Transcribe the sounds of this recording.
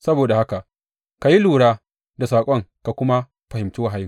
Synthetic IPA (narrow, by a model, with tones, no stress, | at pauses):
sɐ˦boː˨da˨ha˦ka˨ʔ | ka˨ji˦luː˨ɽaː˦ | da˨saː˨kʷʼɔ˦ŋka˨kʷʊ˦ma˦ | ɸɐ˨hɪ˨mtu˦wa˨ɦa˨jɪ˦ŋ